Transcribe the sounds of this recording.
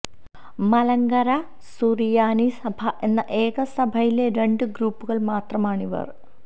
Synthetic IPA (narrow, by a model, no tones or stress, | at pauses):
mɐlɐŋɡɐɾɐ | surijaːnisɐbʱɐʔe̞nːɐʔe̞ːɣɐsɐbʱɐjileɾe̞ɳɖɨɡɾuːpːuɣɐɭmaːt̪rɐmaːɳiʋɐ̰r